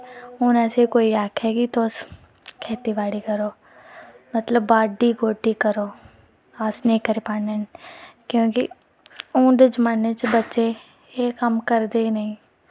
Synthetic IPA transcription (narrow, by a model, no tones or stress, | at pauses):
õːnɛːsekoːiɛːkʰɦɛːɡit̪oːs | kʰɛːt̪iʋaːɽikɐɾoː | mɐt̪ləbːaːɖiɡoːʈːikɐɾoː | aːsneːkːɐɾɪpaːnenkjõːkḭ | õːd̪əd͡ʒmaːnet͡ʃbɐtːʃe | jekɐmkɐɾd̪enɐɦĩ